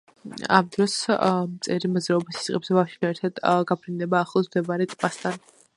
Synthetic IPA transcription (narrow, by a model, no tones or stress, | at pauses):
a̰md̪ɾɔsmt̪sʼɛɾimɔzɾaɔbisi̥sʼqʼɛbzɛbafʃianɛɾt̪ʰad̪̥ɡapʰɾind̪ɛbaːχlˠɔsd̪ɛbaɾɛt̪ʼpʼast̪ʰan